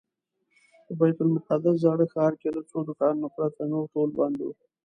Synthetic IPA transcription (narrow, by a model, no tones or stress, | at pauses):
pəbajt̪ʊlmʊqad̪azɑɽəxɑːɾkelət͡sod̪ʊkɑnnʊxɾat̪anowʈolbɑ̰nd̪ewu